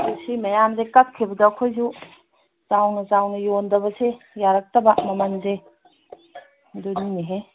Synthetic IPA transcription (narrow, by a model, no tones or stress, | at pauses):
usimɐjamzekat̚kʰibɐdɐːkʰojzu | zawnɐzawnɐjondɐbɐse | jaɾak̚tɐbɐmɐmanze | dunineɦe